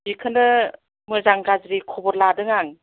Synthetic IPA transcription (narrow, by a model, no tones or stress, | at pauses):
bikʰɯndɯ | mɯzaŋɡazɾikʰɔbɔɾladɯŋaŋ